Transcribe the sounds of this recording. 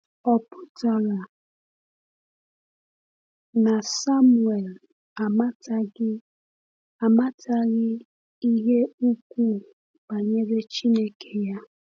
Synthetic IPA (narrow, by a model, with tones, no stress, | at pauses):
ɔ˦pʊ˦ta˨ɣa˨ | na˨sa˦mu˨e˨l | a˨ma˦ta˦ | a˨ma˦tʰa˦ɣɪ˦ | i˦ɦe˦u˦kʷu˦˨ | ba˨ɲe˦ɡe˦t͡ʃi˦ne˦kʰe˦ja˦